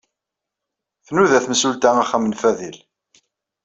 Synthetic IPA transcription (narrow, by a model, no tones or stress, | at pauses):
θnuðæθmsult̪æaχːæmənfæðil